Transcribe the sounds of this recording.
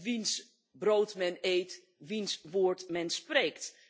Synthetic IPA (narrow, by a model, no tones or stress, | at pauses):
ʋins | broːtmɛnejt | ʋinsʋoːɹtmɛnspreːkt